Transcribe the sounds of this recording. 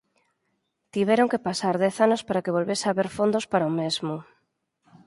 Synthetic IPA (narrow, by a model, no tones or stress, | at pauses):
t̪iβɛɾoŋkepasaɾðɛθanospaɾakeβ̞olβesaβeɾfond̪ospaɾaomezmʊ